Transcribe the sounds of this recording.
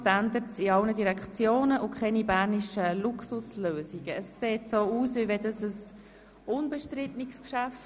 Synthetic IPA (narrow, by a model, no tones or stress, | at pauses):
tænd̪əɾsiɑlnədiɾɛkt͡sjoːnəʔʊkʰχɛnibæɾniʃəluksʊsløːziɡ̥əːskseːtsoːuːsvivɛdəsəs | ʊnbəʃtɾɪtnɪkskʃæft